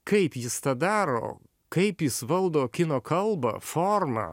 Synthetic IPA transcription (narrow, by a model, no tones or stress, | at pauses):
kɐɪpjɪst̪ɐd̪ɑːɾo̰ː | kɐɪpjɪsʋɐlˠd̪oːkʲɪnoːkʰɐlˠbɐ̰foɾmɐ̰